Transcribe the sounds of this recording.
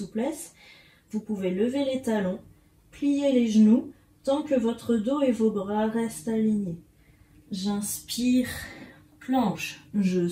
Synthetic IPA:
uplɛs | vupuveləvelet̪alɔ̃ | plijeleʒənu | t̪ɑ̃kəvɔt̪χəd̪oevobʁaʁɛst̪aliɲe | ʒɛ̃spiʁ | plɑ̃ʃʒə

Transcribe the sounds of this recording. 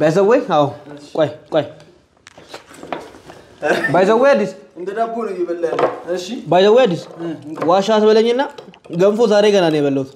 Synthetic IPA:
bajsəwːejawkʼajkʼaj | bajsəwːejad̪ːisɨnd̪əd̪abonɨɡɪbəlːalːəʃbajsəwejad̪ːiswaʃat̪bələɲːɪnːaɡəmfozaɾeɡənanəjɛβəlːəwut̪

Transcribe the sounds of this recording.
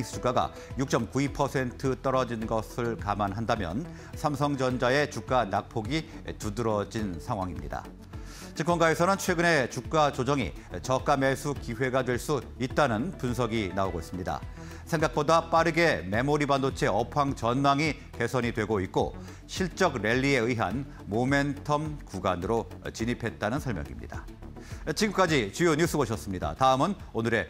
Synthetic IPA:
t͡ɕuk͈aɡa̰ | juk̚t͡ɕ͈ʌmkuipʰʌsʰe̞ntʰɯt͈ʌɾʌd͡ʑinɡʌsʰɯɭkamanɦandamjʌ̰n | sʰamsʰʌŋd͡ʑʌnd͡ʑae̞t͡ɕuk̚k͈anak̚pʰoɡi | tudɯɾʌd͡ʑinsʰaŋɦwaŋimɲḭda̰ | t͡ɕiŋkʰwʌnɡae̞sʰʌnɯnt͡ɕʰwe̞ɡɯne̞t͡ɕuk̚k͈ad͡ʑod͡ʑʌŋḭ | t͡ɕʌk͈ames͈ʰukiwe̞ɡadwe̞ɭs͈u | it̚t͈anɯnpunsʰʌɡinaoɡois͈ɯmɲida̰ | sʰe̞ŋɡak̚p͈odap͈aɾɯɡe̞me̞moɾibandot͡ɕʰe̞ʌpʰaŋt͡ɕʌnmaŋi | ke̞sʰʌɲidwe̞ɡoit̚k͈o̰ | ɕʰiɭt͡ɕ͈ʌɡɾe̞ʎːie̞ɯiɦa̰n | mome̞ntʰʌmkuɡanɯɾot͡ɕiɲipʰe̞t̚t͈anɯnsʰʌɭmjʌ̰ŋḭmɲḭda̰ | t͡ɕiɡɯmk͈ad͡ʑit͡ɕujoɲus͈ʰɯboɕʰʌs͈ɯmɲida̰taɯmɯnonɯɾe̞

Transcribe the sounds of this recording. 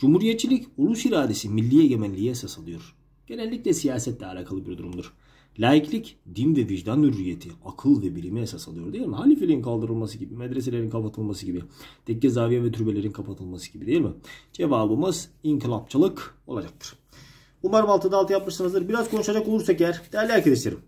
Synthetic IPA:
d͡ʒumhuɾijet̪̚t͡ʃʰːilʲiculˠusiɾaːd̪e̞similʲːieɟemænlʲijiɦesasalˠɯjo̞ɾ̥ | ɟ̥e̞nɛlʲːiclʲɛsijaːsɛt̪lʲɛalʲaːkʰalˠɯbiɾd̪uɾumd̪ɯɾ̥ | lʲaːjiclʲicd̪invɛviʒd̪anːyɾːije̞t̪ʰiakʰɯlˠvɛbilʲimijesasalˠɯjo̞ɾd̪eilʲmiɦalʲifelʲiinkʰalˠd̪ɯɾɯlˠmasɯɟibimɛd̪ɾes̬elʲe̞ɾinkʰapat̪ʰɯlˠmasɯɟibid̪̥ʰɛcːɛzaːvijavɛt̪ʰyɾbelʲe̞ɾinkʰapʰat̪ʰɯlˠmasɯ̥ɟ̥ibid̪ejilʲmɪd͡ʒevaːbɯmɯziŋklˠap̚t͡ʃʰalˠɯko̞lˠad͡ʒak̚t̪ʰɯ̥ɾ̥ | umaɾɯmalˠt̪ʰɯd̪aːlˠt̪ʰɯjapmɯʃsɯnɯzd̪ɯɾbiɾaz̥kʰo̞nuʃad͡ʒako̞lˠuɾsakjæɾ̥d̪̥ejæɾlʲæɾcʰelʲiʃt̪ʰeɾim

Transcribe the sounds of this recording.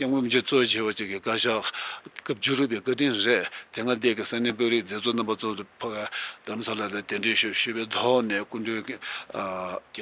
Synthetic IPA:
kaŋkømd͡ʑit͡sowt͡ɕʰeːwat͡ɕikːikaɕakap̚d͡ʑuruʔpeːkaʈ͡ʂinreʔt̪eŋad̪ekisaneːp̬øːriʔ̚d͡zeːt͡sonambat͡sopʰakd̪̥aɾamsalalat̪eɳɖ͡ʐeːɕɕyːpeːt̪ʰɔʔneːkunɖ͡ʐø

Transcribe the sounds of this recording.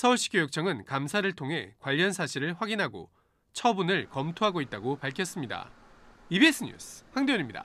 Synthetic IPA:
sʰʌuɭɕ͈i̥k͈jojok̚t͡ɕ͈ʌŋɯnkamsʰaɾɯɭtʰoŋɦe̞kwaʎːʌnsʰaɕʰiɾɯɭɸwaɡinɦaɡo̰ | t͡ɕʰʌbunɯɭkʌmtʰoɦaɡoit̚t͈aɡopaɭkʰjʌs͈ɯmɲida̰ibies͈ʰɯɲṵsʰɸwaŋdeuɲimɲida̰

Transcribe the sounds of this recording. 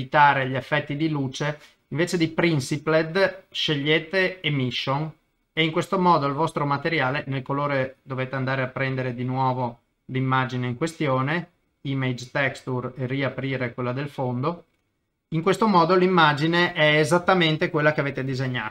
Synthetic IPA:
it̪aːɾeʎiefːɛt̪ːid̪iluːt͡ʃe | iɱveːt͡ʃed̪ipɾinsipled̪ʃeʎːeːt̪eːmiʃːon | eiŋkwest̪omɔːd̪oilvɔst̪ɾomat̪eɾjaːlenelkoloːɾed̪oveːt̪eand̪aːɾeapːɾɛnd̪eɾed̪inwɔːvo | limːad͡ʒineiŋkwest̪joːne | imed͡ʒt̪ɛkst̪ureriapɾiːɾekwelːad̪elfond̪o | iŋkwest̪omɔːd̪olimːad͡ʒineʔɛːzat̪ːament̪ekwelːakeaveːt̪ed̪izeɲːa̰ː

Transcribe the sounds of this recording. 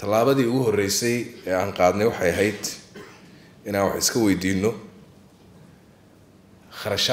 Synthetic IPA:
t̪ʰɐlaːβɐðiːʊɣʊɦɔrɛjsɛjɛːaːɴqɑːd̪nɛjwɑħɑjɐɦɛjd̪ | ɪnaːnwɑ̰ħɪskʰɐwɛjd̪iːnːɔ | χɐɾɐʃ

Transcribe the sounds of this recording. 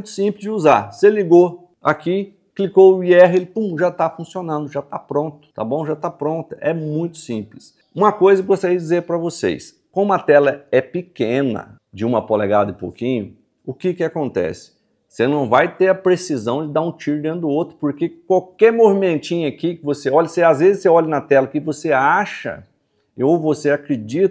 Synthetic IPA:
m̃j̃t̪ʊ̥sĩplɪzd͡ʒɪuzaɾseliɡo | aki | klikowʊiɛɦelɪpũʒat̪afũsionɐ̃nd̪ʊʒat̪apɾõnt̪ʊ̥t̪a̰bõw̃ʒat̪apɾõnt̪ɐɛmũj̃t̪ʊ̥sĩplɪs | ũmɐkojzɐkɡost̪aɾiɐd͡ʒizeɾpɾɐvosḛjs | kɐ̃ũmɐt̪ɛlɐɛpikẽnɐ̰ | d͡ʒɪũmɐpolɛɡad̪ɐɪpo̰wkĩɲʊ | ʊkɪkɪakõnt̪ɛ̰sɪ̥ | senɐ̃w̃vajt̪eɾɐpɾesizɐ̃w̃d͡ʒɪd̪aɾũt͡ʃiɾʊd̪ẽnʊd̪ʊowt̪ɾʊ̥poɾkekwawkɛɾmovimẽnt͡ʃĩɲʊɐkikɪvoseɔʎɐseazvezɪseɔʎɐnɐt̪ɛlɐkɪvoseaʃɐ̰ | owvoseakɾed͡ʒit̪

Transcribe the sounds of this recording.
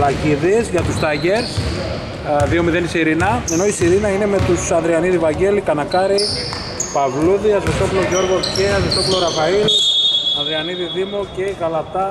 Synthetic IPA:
lɐɟiðizʝɐt̪ust̪ɐʝe̞ɾs | ðio̞miðenisiɾinɐe̞no̞isiɾinɐine̞me̞t̪usɐnðɾiɐniðivɐɲɟe̞likɐnɐkɐɾi | pɐvluðiɐzvet̪opuloʝo̞ɾɣo̞ceɐzest̪opulo̞ɾɐfailɐnðɾiɐniðiðimoce̞ɣɐlɐt̪ɐ

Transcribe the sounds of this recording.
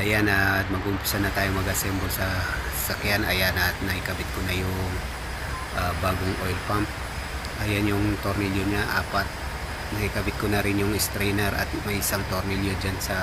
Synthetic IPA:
ʔɐjanɐmɐɡʊmpu̥sɐnːɐt̪aːjoŋmɐɡasɛmbosɐ | sɐkjanʔɐjanat̪̚nɐhɪkɐbɪt̪̚kʊnɐjʊŋ | ʔabaːɡʊŋʔojlpamp̚ | ʔajanjʊŋt̪oɾniljoɲaʔa̰ːpɐt̪̚ | nɐhikɐbɪt̪̚kʊnɐɾɪnjʊŋɪst̪ɾɛjnɛɾʔɐ̰t̪̚mɐjɪsaŋt̪oɾniljod͡ʒansɐ

